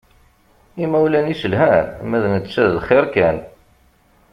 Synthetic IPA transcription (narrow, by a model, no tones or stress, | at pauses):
imæwlænisəlɦænmæðnət͡s̪ːsæðlχɪɾkæn